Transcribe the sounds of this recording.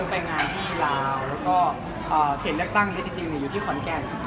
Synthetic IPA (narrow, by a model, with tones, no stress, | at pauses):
npa˧jŋaː˧nt̪ʰiː˥˩laː˧wlɛː˦˥wkɔː˥˩ | ʔɤː˨˩sʰe˨˩˦nlɯ˥˩ək̚t̪a˥˩ŋna˥˩t͡ɕi˧ŋt͡ɕi˧ŋni˨˧˩juː˨˩t̪ʰːkʰɔ˩˦nkɛ˧n